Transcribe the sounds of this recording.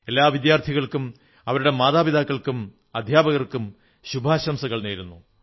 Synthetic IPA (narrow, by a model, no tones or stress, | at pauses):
e̞lːaːʋid̪jaːrt̪ʰiɣɐɭkum | ɐʋɐɾuɽe̞maːðaːbid̪aːkːɐɭkum | ɐd̪ʱjaːbɐɣɐrkum | ɕubʱaːɕɐmsɐɣɐɭneːɾunːu